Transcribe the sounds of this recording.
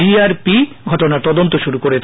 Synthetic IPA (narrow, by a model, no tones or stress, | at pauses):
iaɾpiɡʱɔʈonaɾt̪ɔd̪ont̪oʃuɾukoɾe